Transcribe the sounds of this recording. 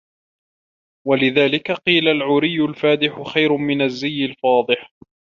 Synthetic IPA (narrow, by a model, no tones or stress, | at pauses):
walɪðaːlɪkaqiːlalʕʊɾɪjːʊlfaːd̪ɪħʊxajɾʊmɪnazːɪjːɪlfɑːd̪ˤɨħ